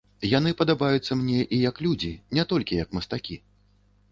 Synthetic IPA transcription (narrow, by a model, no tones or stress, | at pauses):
jan̪ɨpɐd̪abajut̪sːɐmnʲɛʔijɐklʲud͡zʲinʲɛt̪ɔlʲkʲijɐkmɐst̪akʲi